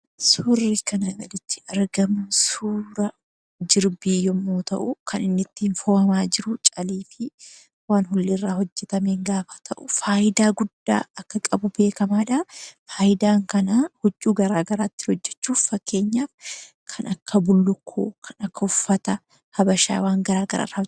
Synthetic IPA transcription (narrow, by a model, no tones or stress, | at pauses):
sʊrːɪkɐnɐɡɐlɪt͡ʃ̪ːɪ̥ʔɐɾɡɐmʊnsuːɾɐ | d͡ʒɪɾbeːjɔmːoːt̪ɐ̰ʔʊkʰɐnɪnːɪt̪ːiːnfoːhɐmaːd͡ʒɪɾʊt͡ʃʼɐliːfɪ | waːnɦʊlːɪrːaːhɔd͡ʒːɛt̪ɐmeːŋɡaːfḁt̪ʰɐʔʊfaːjɪd̪aːɡʊd̪ːa̰ːɐkːɐkʼɐbʊbe̞ːkɐmaːᶑɐfaːjɪd̪aːŋkɐnaːhʊd͡ʒʼːuːɡɐɾaːɡɐɾaːt̪ːɪ̥hɔd͡ʒːɛt͡ʃːuːffɐkːe̞ːɲːaːf | kʰɐnɐkːɐbʊlːʊkʰːo̰ːkʰɐnɐkːɐʊfːɐt̪ɐ | hɐbɐʃa̰ːwaːŋɡɐɾaːɡɐɾa̰ːraːɔd͡ʒ